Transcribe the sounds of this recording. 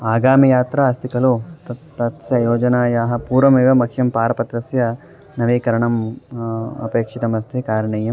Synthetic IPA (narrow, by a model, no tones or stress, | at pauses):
aːɡaːmijaːt̪ɾɐast̪ikɐlut̪ɐt̪ɐt̪sjɐjoːd͡ʒɐnaːjaːɦɐ̆puːɾʋɐmeːʋɐmɐkʰːjɐmpaːɾɐpɐt̪ɾɐsjɐ | nɐʋiːkɐɾɐɳɐm | ɐ̰peːkʂit̪ɐmɐst̪ʰikaːɾɐɳeːjɐm